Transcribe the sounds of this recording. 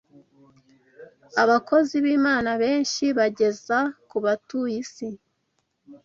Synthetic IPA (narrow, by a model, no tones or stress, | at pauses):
aβakʰo̞ziβiːmaːnaβe̞ːnʃiβaɟe̞zakuβatujisi